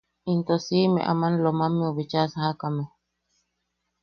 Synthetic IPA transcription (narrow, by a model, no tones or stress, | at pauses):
int̪osimḛ̃ʔa̰manlomamẽuβit͡ʃasahakame